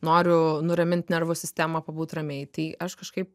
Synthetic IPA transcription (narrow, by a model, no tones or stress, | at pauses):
noːɾʲʊnʊɾɐmʲɪnʲt̪ʲnʲɛrʋʊsʲɪsʲt̪ʲæmɐpɐbuːt̪rɐmʲeːjt̪ɐɪɐʃkɐʃkɐɪp̚